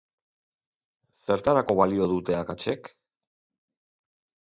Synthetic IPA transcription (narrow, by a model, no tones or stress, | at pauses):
se̞ɾt̪aɾako̞βalio̞ðut̪e̞akat͡ʃe̞k